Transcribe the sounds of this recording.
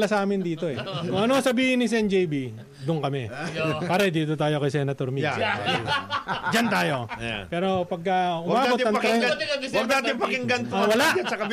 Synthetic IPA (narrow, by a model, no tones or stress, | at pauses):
lasaːmɪnd̪iːt̪o̞ɛkʊŋɐnosɐbiːhɪnːɪsɛnd͡ʒɛjbi | d̪ʊnkɐmɛpaːɾɐd̪iːt̪ot̪aːjokɐsɛnɐt̪oɾmi | d͡ʒɐnt̪aːjo̞̰pɛːɾo̞pɐɡ̚kɐʊmaːb̪ot̪ɪɐnɐɐwɐɡ̚d̪aːt̪ɪŋpɐkɪŋɡɐnt̪owɐlaʔɐsɐkɐb